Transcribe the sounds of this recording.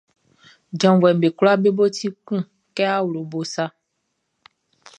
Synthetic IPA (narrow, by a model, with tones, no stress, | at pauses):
d͡ʒɔ̃˨vwɛ˨m˨be˨klo˦a˦be˦bo˦ti˦kũ˦ | kɛ˦a˦wlo˨bo˨sa˦